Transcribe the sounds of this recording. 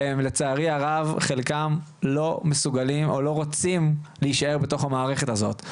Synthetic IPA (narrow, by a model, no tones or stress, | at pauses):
emle̞t͡saːʁiaʁavχe̞lkam | lo̞mesuɡalimo̰lo̞ʁot͡simleiʃae̞ʁbeto̞χamaːʁe̞χe̞tazo̞̰t̪